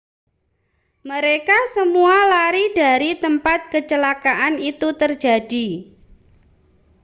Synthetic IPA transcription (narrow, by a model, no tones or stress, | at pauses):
məɾekasəmualaɾid̥a̤ɾit̪əmpat̪̚kət͡ʃəlakaʔanit̪ut̪ərd͡ʒa̤d̥i